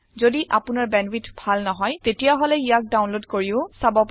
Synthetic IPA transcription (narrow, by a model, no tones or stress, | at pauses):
zodiʔapʊnaɹbɛnbitbʱalnɔɦɔjtetijaɦɔlɛijak̚dawnlodkoɹiʊsabɔp